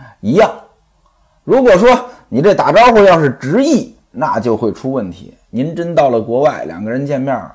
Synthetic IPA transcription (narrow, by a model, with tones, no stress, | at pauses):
i˧˥jɑ˥˩ŋ | ɻu˧˥kwɔ˨˩ʂwɔ˥ni˨˩ʈ͡ʂe˥˩t̪a˨˩ʈ͡ʂɑ˥ʊxwɔ˥˧jɑ˥˧ʊʂɻ̩˥˩ʈ͡ʂɻ̩˧˥i˥˩ | na˥˧t͡ɕjo˥˧ʊxwe˥˩ɪʈ͡ʂʰu˥wə˥˩nt̪ʰḭ˧˥ni˧˥nʈ͡ʂə˥nt̪ɑ˥˩ʊlə˩kwɔ˧˥wa˥˩ɪljɑ̰˨˩ŋɡə˧ɻə˧˥nt͡ɕjɛ˥˧nmjɑ˥˩